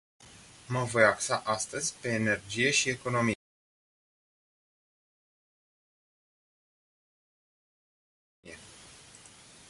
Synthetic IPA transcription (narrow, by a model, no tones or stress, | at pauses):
məvo̞jaksaʔast̪əzʲpe̞ːne̞rd͡ʒije̞ʃie̞ko̞no̞mi | e